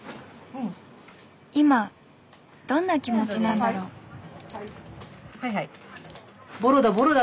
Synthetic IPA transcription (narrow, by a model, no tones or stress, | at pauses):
ima | d̪̥õ̞nːakʲimo̞t͡ɕinãnd̪aɾo̞ː | ha | boɾɯd̪aboɾɯd̪a